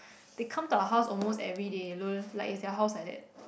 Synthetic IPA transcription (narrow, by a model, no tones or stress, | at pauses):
d̥ekʰãmtuəɦaʊsɔlmostɛvɹidelolaɪkɛsdɛəɦaʊsladɛ̰t̚